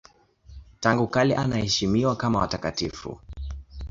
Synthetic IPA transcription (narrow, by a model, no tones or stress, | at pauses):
taŋɡukaliʔanahɛʃimiwakamawa̰takatifṵ